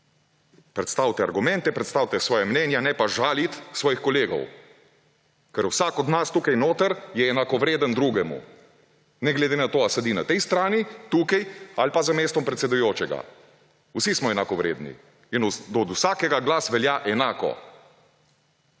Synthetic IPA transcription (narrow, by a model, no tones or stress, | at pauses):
pɾɛt̪st̪awt̪ɛaɾɡumɛ̃nt̪ɛpɾɛt̪st̪awt̪ɛsʋɔːjamnɛnjanɛpaʒaːlit̪sʋɔːjixkɔleːɡɔ̰w | kɛɾuwsaːkɔd̪nast̪uːkajnoːt̪əɾjɛːnakɔʋɾeːd̪ənd̪ɾuːɡɛmṵ | nɛɡlɛd̪enat̪oːasad̪ina̰t̪ɛjst̪ɾaːnit̪uːkajalpazameːst̪ɔmpɾɛt̪sɛd̪ujoːt͡ʃɛɡa̰ | usismɔɛnakɔʋɾḛːd̪nḭ | ind̪ɔd̪usaːkɛɡaɡlasʋɛljaʔɛnaːkɔ̰